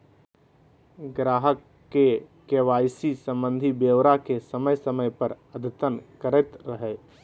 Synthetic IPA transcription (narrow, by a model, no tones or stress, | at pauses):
ɡɾaːɦəkː | ekewaːjsisə̃mbə̃nd̪ʱibeːwɾakesəməjsəməjpəɾəd̪ʱɪt̪ənkəɾət̪ɾəɦɛː